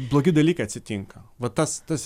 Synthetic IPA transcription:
blˠoːɡʲɪd̪ɐlʲiːkɐɪɐt̪ʲsʲɪt̪ʲɪŋkɐʋɐt̪ɐst̪ɐs

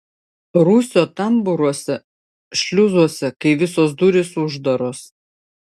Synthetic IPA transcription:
ɾuːsʲoːt̪ɐmbʊɾuɔsʲɛ | ʃʲlʲʊzuɔsʲɛkɐɪʋʲɪsoːsd̪uɾʲɪsʊʒd̪ɐɾoːs

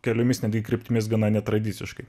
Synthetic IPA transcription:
kʲɛlʲʊmʲɪsnʲɛd̪ʲɡʲɪkɾʲɪpʲt̪ʲɪmʲɪsɡɐnɑnʲɛt̪ɾɐd̪ʲiːtsʲɪʃkɐɪ

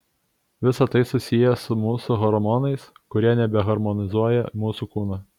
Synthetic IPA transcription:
ʋʲɪsɐt̪ɐɪsʊsʲɪjɛsʊmuːsʊɦɔɾɔmɔnɐɪskʊɾʲiɛnʲɛbʲɛɦɐɾmɔnʲɪzuɔjɛmuːsukuːnɐ

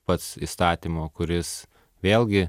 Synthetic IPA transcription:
pɐt̪sist̪ɑːt̪ʲimoːkʊɾʲɪs | ʋʲeːlʲˠɡʲɪ

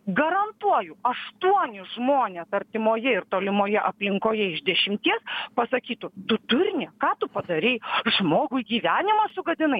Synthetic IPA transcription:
ɡɐɾɐnt̪uɔjʊɐʃt̪uɔnʲɪʒmoːnʲeːsɐɾʲt̪ʲɪmoːjɛɪɾt̪oːlʲɪmoːjɛʔɐpʲlʲɪŋkoːjɛɪʒd̪ʲɛʃʲɪmʲt̪ʲiɛspɐsɐkʲiːt̪ʊt̪ʊt̪ʊɾʲnʲɛkɑːt̪ʊpɐd̪ɐɾʲɛɪʒmoːɡʊɪɡʲiːʋʲæːnʲɪmɐsʊɡɐd̪ʲɪnɐɪ

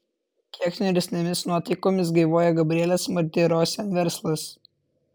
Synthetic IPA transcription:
k̪ʲʰiɛksʲnʲʊɾʲɛsʲnʲɛmʲɪsnuɔt̪ɐɪkoːmʲɪs̬ɡɐɪʋoːjɛɡɐbʲɾʲiɛlʲɛsmɐɾʲt̪ʲeːɾoːsʲɛnʋʲɛɾslˠɐs

